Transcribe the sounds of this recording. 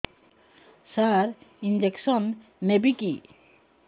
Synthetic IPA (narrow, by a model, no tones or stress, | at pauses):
saɾind͡ʑeksɔn | mebiki